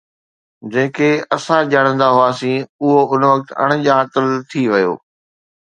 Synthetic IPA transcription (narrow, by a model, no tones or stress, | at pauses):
d͡ʑɐ̃ːkeɐsãʄaːɽ̃ə̃nd̪aɦʊaːsĩːʊɦoʊnʋɐk̚t̪ɐ̰ɽ̃̆ʄaːt̪əlt̪ʰiʋɐjo̰ː